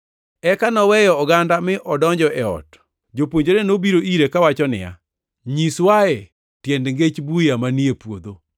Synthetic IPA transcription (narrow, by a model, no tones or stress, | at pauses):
ɛkanɔwɛjɔːɡandamɪʔɔdɔɲd͡ʒɔʔɛɔ̰t | d͡ʒopwoɲd͡ʒoɾenobiɾoʔiɾekawat͡ʃɔnɪ̰ja̰ | ɲiswaɛ | tjendŋɡet͡ʃbujamaniepwod̪o